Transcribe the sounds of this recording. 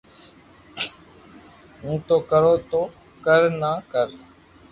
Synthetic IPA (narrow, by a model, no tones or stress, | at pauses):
ɦũːt̪oːkəɾoːt̪oː | kəɾnaːkəɾ